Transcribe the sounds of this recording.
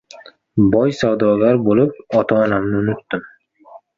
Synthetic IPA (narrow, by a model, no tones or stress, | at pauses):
bɒjsawd̪ɒɡʲaɾbolˠɪp̚ɒt̪ʰɒːnamnɪʊnʊt̪ːɪm